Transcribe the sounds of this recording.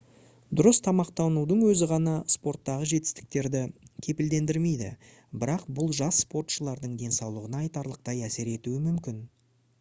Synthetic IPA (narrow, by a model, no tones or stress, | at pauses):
d̪ʊɾəst̪ʰɑmɑqt̪ɑwnud̪əɴwɵzɪʁɑnɑspo̞rt̪ːɑʁəʒe̞t̪ɪ̥st̪ɪ̥k̚t̪e̞ɾd̪ɪkʲʰe̞pɪld̪e̞nd̪ɪɾme̞jd̪ɪ̰ | bɪɾɑqbʊlˠʒɑsːpo̞rt̪ʃəlˠɑɾd̪əɴd̪e̞nsɑwlˠəʁənɑːjt̪ɑɾlˠəq̚t̪ɑjæse̞ɾe̞t̪uɪmʏmkʲɪn